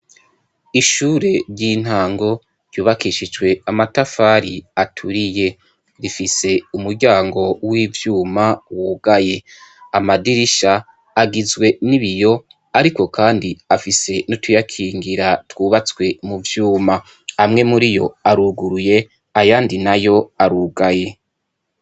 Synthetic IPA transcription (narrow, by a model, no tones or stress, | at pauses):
iʃuːɾe̞ɾɟiːn̥haːŋɡo̞ | ɾjuːβakiʃid͡ʒwe̞amatafaːɾiatʰuɾije̞ | ɾifise̞umuɾɟaːŋɡo̞wiːvjuːmawuɡaje̞amadiɾiʃaː | ɡizɡwe̞niβijo̞ | aɾiko̞kʰaːndiafise̞notujakʰiːŋɡiɾatwuːβat͡swe̞muvjuːma | amŋe̞muɾijo̞̰aɾuːɡuɾuje̞ | ajaːndinajo̞aɾuːɡaje̞